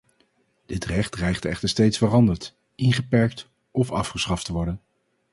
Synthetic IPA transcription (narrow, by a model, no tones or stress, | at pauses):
d̥ɪtrɛχt̚rɛjχtɛχtəɹstejtsfərɑndəɹt | ʔɪnχəpɛɹk̚t | ɔfɑ̰fχəsχɑftəʋɔɹdən